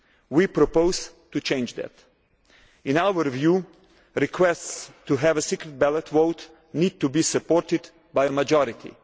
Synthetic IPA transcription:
wipɾɔpoʊz̥tut͡ʃẽɪ̃nd͡ʒðɛ̰t̪ | ɪ̃nawəɹvjuː | ɾɪkʰwɛststuɦɛvəsikɾɨt̪̚bælətʰwoʊt | nid̚tubisəpɔɹtɪd̪ | bajəməd͡ʒɔɾɪt̪ʰḭ

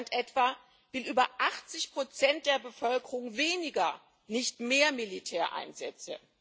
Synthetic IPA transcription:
ntʔɛtv̥a | vɪlyːbɐʔaχt͡sɪçpʁ̥ot͡sɛnt̚d̥eːɐbəfœlkəʁʊŋveːnɪɡɐ | nɪçtmeːɐmilitʰɛːɐʔa̰ɪnzɛt͡sə̰

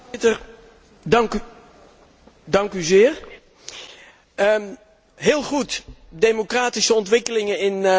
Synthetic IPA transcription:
tər | dɑŋk | dɑŋkyzɪːər | ɦɪːlˠχutdemokraːtisəɔntʋɪkəlɪŋənɪn

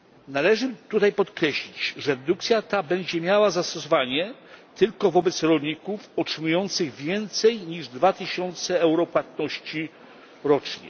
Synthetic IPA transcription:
nalɛʐɘt̪ut̪ajpɔt̪kɾɛɕlʲit͡ɕʐɛɾɛd̪uk̚t̪sʲjat̪abɛɲd͡ʑɛmʲjawazast̪ɔsɔvaɲɛt̪ɘlkɔvɔbɛt̪sɾɔlɲikufɔtʂɘmujɔnt̪sɘɣvʲjɛnt̪sɛjɲiʐd̪vat̪ɘɕɔnt̪sɛɛwɾɔpwat̪nɔɕt͡ɕi | ɾɔt͡ʂɲɛ̰

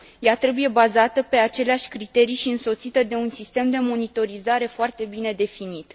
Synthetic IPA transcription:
jat̪ɾe̞buje̞bazat̪əpe̞at͡ʃe̞leaʃʲkɾit̪e̞ɾijʃiɨnso̞t̪sit̪əd̪e̞unsist̪e̞md̪e̞mo̞nit̪o̞ɾizaɾe̞foart̪e̞bine̞d̪e̞finit̪

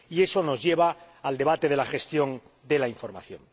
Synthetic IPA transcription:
ie̞so̞no̞zʝe̞β̞aː | ld̪e̞βat̪e̞ðe̞laxe̞st̪jo̞n | d̪e̞laiɱfo̞ɾma̰θjo̞̰n

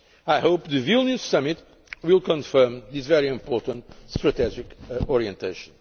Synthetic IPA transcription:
ajhoʊpðɨvilˠnussʌmɪt̪ | wilˠkə̃nfɜ˞mðisvɛɹiɪ̃mpɔɹtə̃ntstɹɨt̪ɛd͡ʒɪkɔɹiɛ̃ntʰeɪʃə̃n

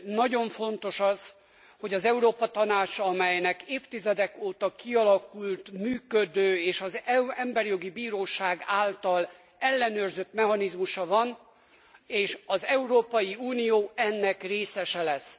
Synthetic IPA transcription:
nɒɟo̞ɱfo̞nt̪o̞ʃɒz | ho̞ɟɒzɛuɾoːpɒt̪ɒnaːt͡ʃɒmɛjnɛkeːft̪izɛd̪ɛkoːt̪ɒkiɒlɒkult̪myːkød̪øːeːʃɒzɛɛmbɛrjo̞ɡibiːɾoːʃaːɡaːlt̪ɒl | ɛlːɛnøːrzøt̪mɛɦɒnizmuʃɒvɒn | eːʃɒzɛuɾoːpɒjiuːnijoːɛnːɛkreːsɛʃɛlɛs

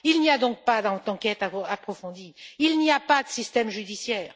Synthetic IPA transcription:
ilniad̪ɔ̃k̚pad̪ɑ̃t̪ɑ̃kɛt̪aapχɔfɔ̃d̪iilniapad̪əsist̪ɛmʒyd̪isjɛːʁ

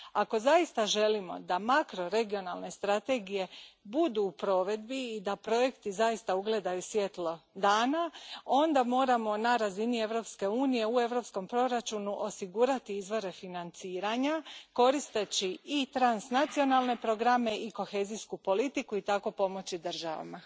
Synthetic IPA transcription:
ako̞zaist̪aʒe̞limo̞̰d̪amakɾo̞ɾe̞ɡio̞nalˠne̞st̪ɾat̪e̞ɡije̞bud̪uːpɾo̞ʋe̞d̪biːd̪apɾo̞je̞kt̪izaist̪auɡle̞d̪ajusʋje̞t̪lo̞d̪aːnao̞nd̪amo̞ːɾamo̞naɾazinie̞ʋɾo̞pske̞uːnije̞ue̞ʋɾo̞psko̞mpɾo̞ɾat͡ʃunuʔo̞siɡuɾat̪iizʋo̞ɾe̞finant̪siːɾaɲako̞ɾist̪e̞t͡ɕiit̪ɾansnat̪sio̞nalˠne̞pɾo̞ɡɾame̞ʔiko̞xe̞ːziskupo̞lit̪ikuit̪ako̞po̞mo̞t͡ɕid̪r̩ʒa̰ʋa̰ma

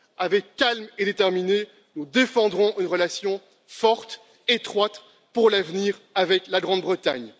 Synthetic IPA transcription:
avɛkːalmed̪et̪ɛʁmine | nud̪efɑ̃d̪ʁɔ̃ʔynʁəlasjɔ̃ | fɔʁt̪ | et̪χwat̪ | puʁlavniʁavɛklaɡʁɑ̃d̪bʁət̪a̰ɲ

